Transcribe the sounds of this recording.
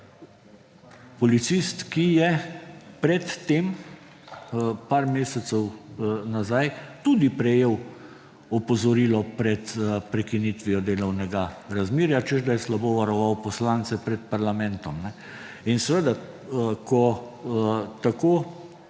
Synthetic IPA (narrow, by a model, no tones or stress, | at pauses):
pɔlit̪sist̪kijɛpɾɛt̪ːeːm | paːɾmeːsɛt̪sɛwnazajt̪ud̪ipɾɛjeːw | ɔpɔzɔɾilɔpɾɛt̪pɾɛkinit̪ʋijɔd̪eːlɔwnɛɡaɾazmiːɾjat͡ʃɛzd̪ajɛslaboːʋaɾɔʋawpɔslant̪sɛpɾɛt̪paɾlamɛnt̪ɔmnɛ | insɛʋed̪a | kʰɔ | t̪akoː